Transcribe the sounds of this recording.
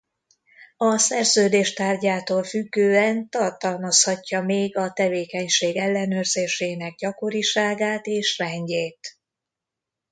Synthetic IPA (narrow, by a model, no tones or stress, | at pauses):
ɒsɛrzøːd̪eːʃt̪aːrɟaːt̪oːlfyɡːøːɛnt̪ɒrt̪ɒlmɒshɒcːɒmeːɡɒt̪ɛveːkɛɲʃeːɡɛlːɛnøːrzeːʃeːnɛɡ̚ɟɒko̞ɾiʃaːɡaːt̪eːʃrɛɲɟeːt̪